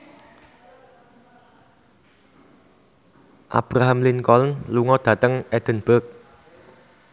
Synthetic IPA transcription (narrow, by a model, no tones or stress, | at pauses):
ʔa̰b̥ɾaɦamlɪnkɔlnluŋɔd̪̥ä̤t̪əŋɛd̪̥ə̤nb̥ək̚